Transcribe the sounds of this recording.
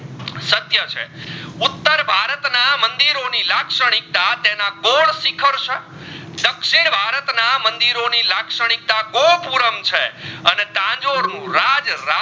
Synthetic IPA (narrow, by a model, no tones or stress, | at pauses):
sət̪jət͡ʃʰḛʊt̪ːəɾbʱaɾət̪namənd̪iɾonilakʂəɽ̃ik̚t̪at̪enãɡoɭsikʰəɾt͡ʃʰe | d̪əkʃeɾbʱaɾət̪namənd̪iɾonilakʂəɽ̃ik̚t̪aɡopuɾəmt͡ʃʰeənet̪ãd͡ʒoɾnũɾad͡ʒɾa